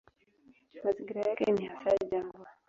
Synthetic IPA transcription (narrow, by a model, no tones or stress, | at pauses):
maziŋɡiɾajakɛ̰nihasajid͡ʒaːɡa